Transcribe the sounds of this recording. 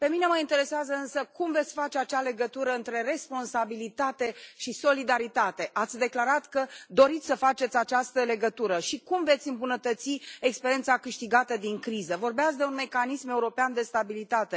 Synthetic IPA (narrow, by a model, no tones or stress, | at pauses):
pe̞mine̞məint̪e̞ɾe̞seazəɨnsəkumve̞t̪sʲfat͡ʃeat͡ʃale̞ɡət̪uɾəɨnt̪ɾe̞re̞spo̞nsabilit̪at̪e̞ʃiso̞lid̪aɾit̪at̪e̞ʔat̪sʲd̪e̞klaɾat̪kəd̪o̞ɾit̪sʲsəfat͡ʃe̞t̪sʲat͡ʃast̪əle̞ɡət̪uɾəʃikumve̞t̪sʲɨmbunət̪ət̪siekspeɾie̞nt̪sakɨʃt̪iɡat̪əd̪iŋkɾizəvo̞rbeat̪sʲd̪e̞unme̞kanisme̞uɾo̞peand̪e̞st̪abilit̪at̪e̞